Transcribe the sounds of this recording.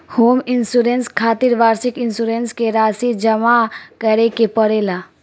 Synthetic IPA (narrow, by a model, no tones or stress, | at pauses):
hoːmɪnsuɾenskʰaːt̪iɾʋaːɾsɪkɪnsuɾenskeɾaːsid͡ʒəmakəɾekepəɾela